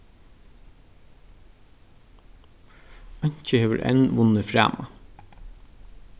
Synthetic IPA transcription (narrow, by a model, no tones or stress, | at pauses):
ɑɲ̥t͡ʃəheːʋə̰ɾʔɛ̰nʋʊnəfɾæ̰ːmɑ